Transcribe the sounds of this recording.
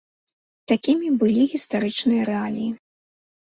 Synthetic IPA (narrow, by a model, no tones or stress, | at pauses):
t̪akʲimʲibɨlʲiɣʲist̪aɾɨt͡ʂnɨjɐɾɛalʲiji